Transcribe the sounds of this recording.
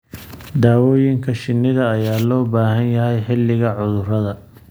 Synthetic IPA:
d̪aːwɔːjɪŋkʰɐʃɪnːɪðɐːjaːlɔːbaːɦɐnjɐɦɛjħɪlːɪɣɐʕʊðʊrɐðɐ

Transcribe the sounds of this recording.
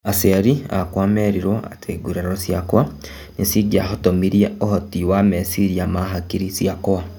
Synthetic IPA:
aseɾia̰kwaːmeɾiɾoa̰tʰeɡuɾeɾosjakwa | nisiɡiaɦotomiɾjeohotiwamesiɾiamaɦakiɾisiakowa

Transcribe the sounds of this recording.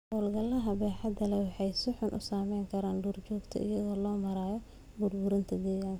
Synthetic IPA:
ʔʊlɡɐlɐɦɐbɛːħɑd̪ɐlɛwɑħɑjsʊħʊnʔʊ̰saːmɛjŋkʰɐɾaːnɖʊrt͡ʃɔːɡt̪ʰɐ̰ʔɪ̰jɐðɔːlɔːmɐɾaːjɔ | bʊrbʊɾɪnt̪ʰɐd̪ɛːjaːŋkɐ

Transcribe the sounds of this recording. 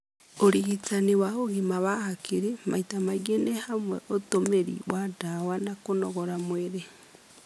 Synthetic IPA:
oɾiɣit͡sanewaoɣimaβahakiɾema̰itamaɣenehamwɛʔotomeɾḭwadawanakonɔɣɔɾamweɾe

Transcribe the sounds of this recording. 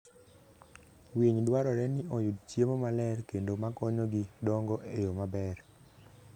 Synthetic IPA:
wiɲdwaɾɔɾɛnɪʔɔjudt͡ʃjemomalɛrkendomakɔɲɔɡidɔŋɡɔʔejomabɛr

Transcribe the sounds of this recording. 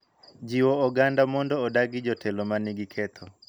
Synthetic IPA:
d͡ʒiwɔɔɡandamɔndɔːdaɡɪd͡ʒɔtʰɛlɔmanɪɡɪkʰɛt̪ʰɔ

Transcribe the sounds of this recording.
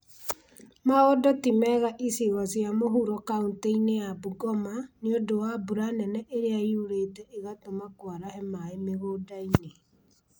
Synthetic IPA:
maɣɔdɔtimɛɣaʔiseɣazjamoɦuɾɔkaunteinejabuɡɔmaneodowabuɾanɛnɛʔeɾeaiuɾeːtɛʔeɣatomakwaɾahɛmaemeɣoːdaine

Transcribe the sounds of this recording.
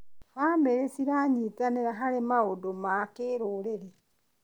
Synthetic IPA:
haːmbeɾesiɾaɲitaneɾaɦaɾemaodomakeːɾoːɾeɾe

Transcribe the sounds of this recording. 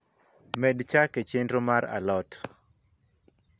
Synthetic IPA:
mɛdt͡ʃaket͡ʃendɾomaɾa̰lɔt

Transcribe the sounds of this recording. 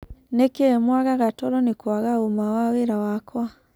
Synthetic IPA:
nekemwaɣaɣatɔɾɔnekwaɣaomawaweɾawakwa

